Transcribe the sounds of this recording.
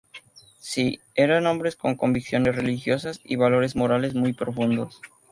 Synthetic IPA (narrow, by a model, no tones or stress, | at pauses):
si | eɾanõ̞mbɾesko̞ŋko̞mbiksjo̞ne̞sre̞lixjo̞sasḭβalo̞ɾe̞zmo̞ɾale̞zmujpɾofund̪o̞s